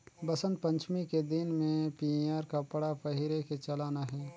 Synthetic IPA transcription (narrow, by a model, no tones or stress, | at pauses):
bɐsə̃nd̪̚pɐ̃ɲt͡ʃmiked̪ɪnmẽpiaːɾkapəɽapəɦɪɾeket͡ʃɐlaːnaɦɛː